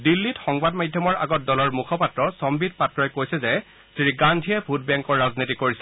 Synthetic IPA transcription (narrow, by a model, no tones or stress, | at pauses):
dilːitxɔŋbadmadʱjɔmɔɹʔa̰ɡɔt̚dɔlɔɹmukʰɔpatɹɔsɔmbid̚patɹɔjɛkojsɛzɛ | siɡandʱijɛbʱut̚bɛŋkɔɹːaznitikoɹisɛ